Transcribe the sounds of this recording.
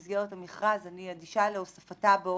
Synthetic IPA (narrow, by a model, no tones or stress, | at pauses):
zɡeʁethamiχʁazaniadiʃaleosafatabeo